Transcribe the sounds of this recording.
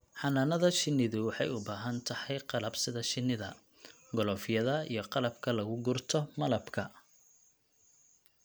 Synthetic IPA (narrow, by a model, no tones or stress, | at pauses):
ħɑnaːnɐðɐʃɪnːɪðʊwɑħɑjʊbaːɦɐnt̪ʰɐhɑjqɑlɐbsɪðɐʃɪnːɪðɐ̰ | ɡɔlɔːfɪjɐðɐḭjɞqɑlɐbkʰɐlɐɣʊɡʊrt̪ʰɔmɐlɐbkʰɐ